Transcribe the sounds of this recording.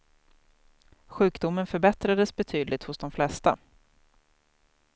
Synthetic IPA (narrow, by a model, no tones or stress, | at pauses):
ɧʉ̟ːkd̪ʊmːənfœɾbɛt̪ɾad̪əsbɛt̪ʰyːd̪lɪɡt̪hʊsd̪ɔmflɛst̪a̰